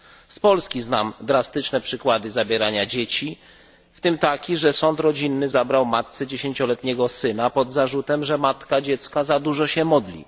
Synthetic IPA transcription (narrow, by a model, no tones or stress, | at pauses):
spɔlskʲiznamd̪ɾast̪ɘt͡ʂnɛpʂɘkwad̪ɘzabʲjɛɾaɲad͡ʑet͡ɕi | ft̪ɘmt̪akʲiʐɛsɔnt̪ɾɔd͡ʑinːɘzabɾawmat̪̚sɛd͡ʑeɕeɲt͡ɕɔlɛt̪ɲɛɡɔsɘnapɔd̪zaʐut̪ɛmʐɛmat̪kad͡ʑɛt̪skazad̪uʐɔɕɛmɔd̪lʲḭ